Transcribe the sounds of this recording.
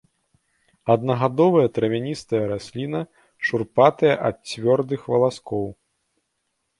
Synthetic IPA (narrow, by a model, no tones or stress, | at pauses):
ɐd̪nɐɣad̪ɔvɐjɐt̪ɾɐvʲanʲist̪ɐjɐɾasʲlʲinɐ | ʂurpat̪ɐjɐʔɐt̪̚t͡sʲvʲɔrd̪ɨxvɐlˠaskɔw